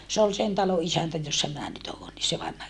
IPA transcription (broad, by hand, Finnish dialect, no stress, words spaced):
se ol sen tɑlo ʔisæntæ josːɑ minæ nyt oːn ni se ʋɑnhɑ